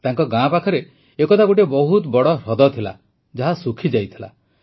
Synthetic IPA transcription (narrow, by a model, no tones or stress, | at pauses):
t̪aŋkɔɡãpakʰɔɾe | ekɔt̪aɡuʈebɔɦut̪bɔɽɔɾɔd̪ɔt̪ʰila̰ | d͡ʒaɦasukʰid͡ʒajt̪ʰila̰